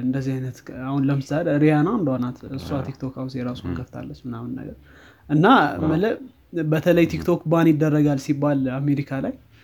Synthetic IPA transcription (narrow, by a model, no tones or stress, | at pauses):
ɨnd̪əzːihajnət̪ahunləmɨsaleɾijanand̪əwonat̪ɨsːuat̪ʰik̚t̪ʰokawnsjɛɾasunkʰəft̪ʰa̰lːət͡ʃmɨnamɨnːə̰ɡə̰ɾ | ʔɨnːamələ | bət̪ʰələjt̪ʰikt̪ʰo̞kːbanjɪd̪ːərːəɡalsibːalame̞ɾikʰalaj